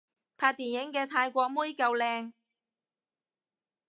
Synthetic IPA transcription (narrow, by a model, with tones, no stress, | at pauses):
pʰaː˧t̚t̪iː˨˩njɪ˨˥ŋkɛː˧t̪ʰaː˧jkʷɔː˧k̚muː˥jkɐ˧wlɛː˧ŋ